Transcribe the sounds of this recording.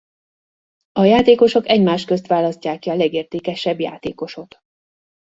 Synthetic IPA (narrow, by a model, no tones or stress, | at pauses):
ɒjaːt̪eːko̞ʃo̞kɛɟmaːʃtkøst̪ʋaːlɒsc̪aːkːiɒlɛɡeːrt̪eːkɛʃɛbja̰ːt̪eːko̞ʃo̞t̪